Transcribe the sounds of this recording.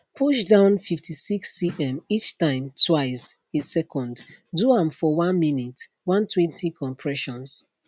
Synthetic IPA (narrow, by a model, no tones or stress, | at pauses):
pʰuʃdãʊ̃nfiftʰisiksiʔɛ̃mit͡ʃtãɪ̃mtʰwaɪs | esɛkʰɔ̃ndduãmfɔwãnminit | wãntʰwɛ̃ntʰikʰɔ̃mpʰɹɛʃɔ̃ns